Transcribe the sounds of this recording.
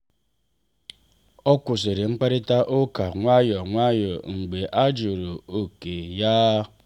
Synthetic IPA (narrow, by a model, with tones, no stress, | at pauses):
ɔ˦kʷʊ˨s̬i˨ɾɪ˨ŋ͡m̩˦k͡pa˦ɾɪ˦ta˦ʔo˦ka˨ŋʷa˦jɔ˨ŋʷa˦jɔ˨ŋ͡m̩˨ɡ͡be˨ʔa˦d͡ʒo˨ɾo˨o˨ke˨ja˦